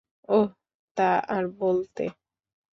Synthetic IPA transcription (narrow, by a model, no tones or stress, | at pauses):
o | t̪aaɾbolt̪ḛ